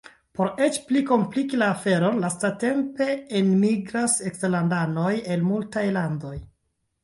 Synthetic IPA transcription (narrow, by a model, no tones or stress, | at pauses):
po̞ɾe̞t͡ʃpliko̞mplikilafe̞ɾo̞lastate̞mpe̞enmiɡɾasekstelandano̞je̞lmultajlando̞j